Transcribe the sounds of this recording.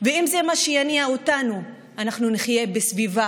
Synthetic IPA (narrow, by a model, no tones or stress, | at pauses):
veimzemaʃejaniaotanu | anaχnuniχje̞besviva